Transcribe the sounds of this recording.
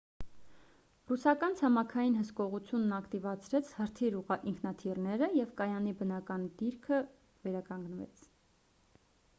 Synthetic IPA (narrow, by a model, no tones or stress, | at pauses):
rusɑkɑnt͡sʰɑmɑkʰɑjinɦəskɔʁut͡sʰjunːɑkt̪ivɑt͡sʰɾɛt͡sʰhəɾt̪ʰiɾuiŋkʰnɑt̪ʰirnɛɾəjɛvkɑjɑnibənɑkɑnd̪iɾkʰə | vɛɾɑkɑŋɡnvɛ̰t͡sʰ